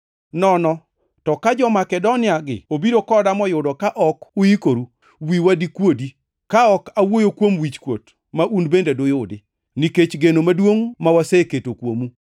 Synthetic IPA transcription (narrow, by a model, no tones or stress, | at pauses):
nɔnɔ | tɔkad͡ʒɔmakɛdonɪaɡɪ̰obiɾokɔdamɔjʊdɔkaʔɔkʊjikoɾu | wiwadikwodi | kaɔkawojokwomwit͡ʃkwo̰t | maʔunbendedʊjʊdɪ | niket͡ʃɡenomadwoŋmawaseketokwomu